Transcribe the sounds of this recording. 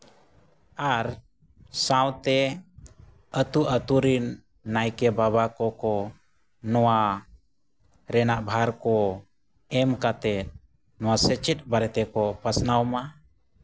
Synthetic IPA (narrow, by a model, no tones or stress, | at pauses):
aɾ | saw̃t̪ɛ | ət̪uʔət̪uɾinː | ajkɛbabakɔkɔ | nɔwa | ɾɛnaʔbʱaɾkɔ | ɛmkat̪ɛt̪̚ | nɔwasɛt͡ʃɛt̪̚baɾɛt̪ɛkɔpəsnawma